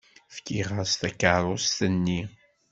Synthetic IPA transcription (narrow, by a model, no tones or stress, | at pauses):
fkiʁəɾst̪ækəɾˤʊst̪ənːi